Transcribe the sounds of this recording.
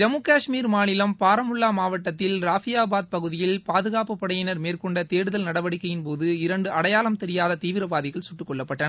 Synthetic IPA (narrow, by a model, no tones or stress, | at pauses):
d͡ʒɐmuːkaːʂmiːɾmaːnɪlɐmpaːɾɐmʊɭːaːmaːʋɐʈːɐt̪ːɪlɾaːfɪjaːbaːðpɐɣɯðɪjɪlpaːðɯɣaːpɯpːɐɽɐjɐnɐɾmeːrkɔɳɖɐt̪eːɽɯðɐlnɐɽɐʋɐɽɪkːɐjɪnpoːðɯɪɾɐɳɖɯʔɐɽɐjaːlɐmt̪ɛɾɪjaːðɐt̪iːʋɪɾɐʋaːðɪɣɐɭsʊʈːɯkːɔɭːɐpːɐʈːɐnɐ